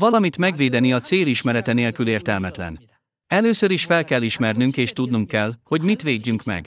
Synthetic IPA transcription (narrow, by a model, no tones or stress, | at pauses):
vɒlɒmit̪mɛɡʋeːd̪ɛniɒt̪seːliʃmɛɾɛt̪ɛneːlkyleːrt̪ɛlmɛt̪lɛ̰n | ɛløːsøɾiʃfɛlkɛlːiʃmɛrnyŋkeːʃt̪ud̪nuŋkːɛlho̞ɟmit̪ʋeːɟːyŋkmɛ̰ɡ